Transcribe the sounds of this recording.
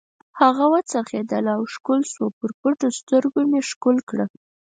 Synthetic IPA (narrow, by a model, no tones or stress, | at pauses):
haɣawət͡saɾxed̪əlawʃkulswopəɾpəʈost̪əɾɡomeʃkulkɽə